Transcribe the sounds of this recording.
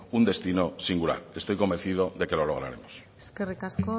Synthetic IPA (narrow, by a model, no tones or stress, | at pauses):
und̪e̞st̪ino̞siŋɡula̰ɾe̞st̪o̞jko̞mbe̞n̟θiðo̞ðe̞ke̞lo̞lo̞ɣ̞ɾa̰ɾe̞̰mos | eskerekasko